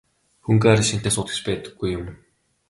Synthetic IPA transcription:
xuŋɡaɾʲĭʃint̪eːsʊt̪ə̆kt͡ɕpæːt̪ə̆ɡːujːʊm

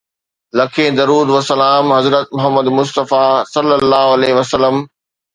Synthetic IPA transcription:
lɐkʰẽːd̪ɐɾuːd̪ʋɐsɐlaːmɦɐzɾət̪mʊɦəmːəd̪mʊst̪əfasɐlːəlːaːɦoɐleːɦʋɐsəlːəm

